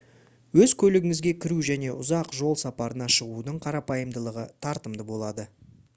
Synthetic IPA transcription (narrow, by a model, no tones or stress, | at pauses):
wɵzkʲʰɵlɪɡʲɪŋɪzɡʲe̞kʲʰɪɾuʒæne̞ʔʊzɑqʒo̞lˠsɑpɑɾənɑʃəʁud̪əɴqʰɑɾɑpɑjəmd̪əlˠəʁət̪ʰɑɾt̪əmd̪əbo̞lˠɑd̪ə